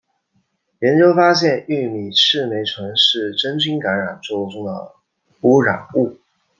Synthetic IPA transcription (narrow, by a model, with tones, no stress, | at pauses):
jɛ˧˥nt͡ɕjo˥ʊfa˥ɕ̬jɛ˥˧ny˥˩mi˨˩ʂɻ̩˥˩me˧˥ɪʈ͡ʂʰwɤ˧˥ŋʂɻ̩˥˩ʈ͡ʂə˥nt͡ɕy˥ŋka˧˥nɻa˨˩nt͡swo˥˧ʊʈ͡ʂʊ˥ŋd̪ə̰˨˩ | u˧˥ɻa̰˨˩nu˥˩